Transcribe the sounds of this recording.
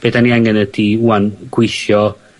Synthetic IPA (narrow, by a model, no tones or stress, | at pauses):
b̥edaniaŋɛnədiuanɡ̥wɪʃjɔ